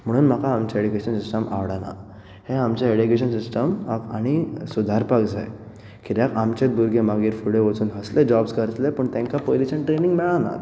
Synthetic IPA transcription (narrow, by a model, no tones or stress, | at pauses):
m̤əɽ̃uːnm̤akaːmt͡ɕaeɽikeɕənsisʈəma̰ʋɽana̰ | hẽamt͡ɕaeɽikeɕ̬ənsisʈəmakaɽ̃isud̪ʱaɾpakd͡za̰j | kit̪jakamt͡ɕet̪̚bʱuɾɡemaɡiːɾfuɽeʋət͡suːnɦəsled͡ʑɔbskəɾt̪lepəɳt̪ẽŋkapojliɕənʈɾeniŋɡmɛɭana̰